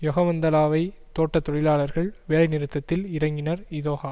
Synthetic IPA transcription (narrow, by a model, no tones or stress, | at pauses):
jɔɣɐʋɐnd̪ɐlaːʋɐɪ | t̪oːʈːɐt̪ːɔɽɪlaːɭɐɾɣɐɭʋeːɭɐɪnɪɾɯt̪ːɐt̪ːɪlɪɾɐŋɡɪnɐɾɪðoːɣaː